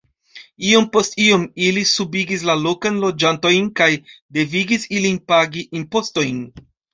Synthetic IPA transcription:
io̞mpo̞stio̞milisubiɡis̬lalo̞kanlo̞d͡ʒanto̞jnkajde̞viɡisilinpaɡiʔimpo̞sto̞jn

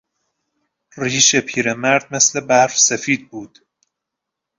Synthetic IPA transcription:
riːʃepʰiːɾemæɾd̪̥̚me̞sle̞bæfsefiːd̪̚buːd̪̥

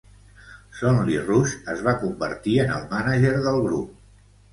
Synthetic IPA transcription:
sɔnlirusəzβakumbə̰ɾt̪iənə̰lˠmanaʒeɾðəlˠɣɾup̚

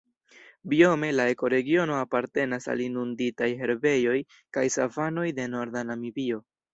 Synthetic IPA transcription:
bio̞me̞laeko̞ɾe̞ɡio̞no̞apaɾte̞nasa̰linunditajɦe̞ɾbe̞jo̞j | kajsavano̞jde̞no̞ɾdanamibio̞

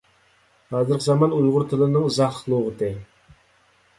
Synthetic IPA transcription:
hɑːzɨɾqʰəzɑmɑnujʁʊɾt̪ʰɨlˠɨnɨŋzɑχlˠoʁət̪ʰɨ

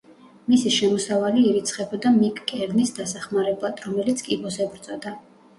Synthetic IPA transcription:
misiʃɛmɔsavaliːɾit̪sʰχɛbɔd̪amikʼkʼɛɾnisd̪asaχmaɾɛblˠad̪̥ɾɔmɛlit̪sʰkʼibɔsɛbɾt̪sʼɔd̪a

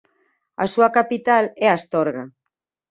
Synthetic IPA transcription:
asuakapit̪alɛast̪ɔɾɣa

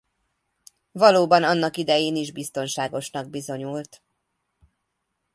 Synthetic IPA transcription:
vɒloːbɒnɒnːɒkid̪ɛjeːniʒbist̪o̞nʃaːɡo̞ʃnɒɡ̚bizo̞ɲult̪

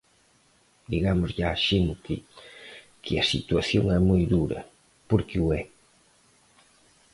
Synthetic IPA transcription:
d̪iɣamʊzʎaːʃent̪ɪ | kʰɪ̰ɐsit̪waθjoŋɛmojðuɾɐ̰ | poɾkɪuɛ

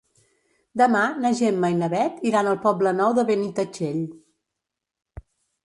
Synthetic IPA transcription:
d̪əmanəʒemːajnəβɛt̪iɾanəlˠpɔblənɔwðəβenit̪ət͡ʃeʎ

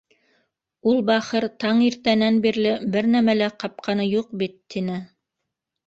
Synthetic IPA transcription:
ulˠbæχɤɾt̪ɑɴiɾt̪ænænbiɾlɘbɘɾnæmælæqɑp̚qʰɑnɤjuq̚bit̪ːinɘ

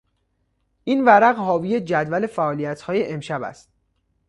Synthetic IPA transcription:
ʔinvæɾæɣhɒːviːjed͡ʒæd̪væle̞fæʔɒːlijæt̪ʰhɒːje̞ʔemʃæbæ̰st̪̚

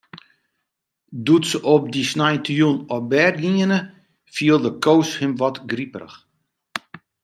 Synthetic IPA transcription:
dutsəʔɔp̚disnajtʰjunɔbɛrɡiənə | fiəlˠdəkʰowshɪmʋɔtɡripərə̰x

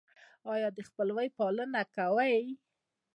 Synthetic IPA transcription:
ɑjɑd̪əxpəlwajpɑlənakawaj

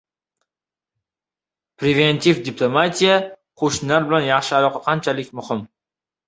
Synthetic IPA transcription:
pɾʲevenʲt̪ʰʲivd̪ʲiplˠomat̪ʲija | qʰoʃnlaɾbɪlanjɑχʃɪɑlˠɒqqʰɑnt͡ʃʰalɪkʲmʊhɪm

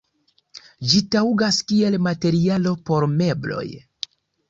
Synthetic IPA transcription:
d͡ʒitawuɡaskie̞lmate̞ɾialo̞po̞ɾme̞blo̞̰j

